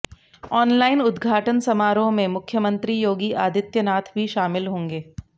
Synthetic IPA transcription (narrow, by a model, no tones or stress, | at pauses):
ɔːnlaːɪnʊd̪ɡʱaːʈənsɐmaːɾõmẽmʊkʰjəmə̃nt̪ɾijoːɡiʔaːd̪ʱɪt̪jənaːt̪ʰbʱiʃaːmɪlɦõːŋɡeː